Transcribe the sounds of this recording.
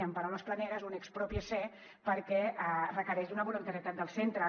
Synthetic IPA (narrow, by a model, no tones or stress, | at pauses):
əmpəɾawnəsplənɛɾəzunɛkspɾɔpiəsɛ | pəɾkɛarəkəɾɛʒd̪unəβulunt̪əɾit̪at̪̚d̪əlˠsent̪ɾə